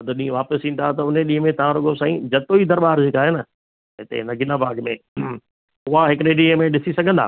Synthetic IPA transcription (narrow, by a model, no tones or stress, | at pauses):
ɐd̪ʱʊɗĩːə̃ʋaːpəsĩːn̆d̪at̪ɐʊneɗĩːɦə̃mẽt̪ɐʋ̤ãɾʊɡosãːĩd͡ʑɐt̪oid̪ɐɾɓaːɾd͡ʑeːkaːɦenə | ɦɪt̪ḛɦɪnəɡɪlabaːɡmẽ | ʊɦaɦɪkɾeːɖiemẽɗɪsisɐɡʱə̃nd̪a̰ː